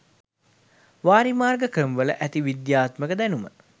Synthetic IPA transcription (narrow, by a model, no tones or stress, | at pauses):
ʋaːɾimaːrɡəkɾəmʋələ̰ʔæt̪iʋid̪jaːt̪məkəd̪ænumə̰